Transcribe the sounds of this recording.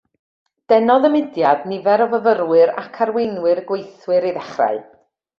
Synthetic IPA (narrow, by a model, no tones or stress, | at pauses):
d̥ɛnɔðəmɪdjadnɪvɛɾɔvəvəɾwɨɾa̰kʰaɾwenwɨrɡwejθwɨɾiðɛχra̰ɨ